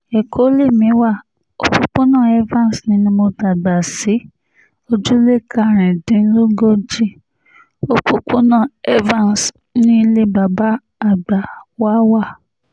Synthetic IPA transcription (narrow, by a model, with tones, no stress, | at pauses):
e˨kʰo˨˦le˦˨mĩ˨˦wa˦˨ | o̰˦k͡po˦k͡po˦nãː˦˨ɛ˦vã˦˨n˨snĩ˧˦nĩ˧˦mo˧da˨ɡ͡ba˨si˨˦ | o˧d͡ʒu˦le˦˨kʰa˦˨ɾ̃ĩ˨dĩ˨˦lo˦ɡo˦d͡ʒi˦˨ | o˧k͡po˧k͡po˦nãː˦˨ɛ˦vã˦˨n˨s | nĩ˦i˧le˦ba˨ba˦ | a˦˨ɡ͡ba˨wa˦wa˦˨